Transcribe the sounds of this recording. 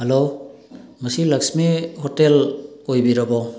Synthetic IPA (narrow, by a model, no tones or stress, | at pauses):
halo | mʌsilaksmihɔtelojbiɾabɔ